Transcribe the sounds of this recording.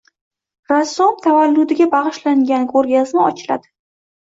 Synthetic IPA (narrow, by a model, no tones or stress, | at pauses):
ɾasːomt̪ʰavalːʊd̪ɪɡʲabaʁɨʃlaŋɡʲankʰɵɾɡʲaznɪɒt͡ʃʰɪla̰d̪̥ɪ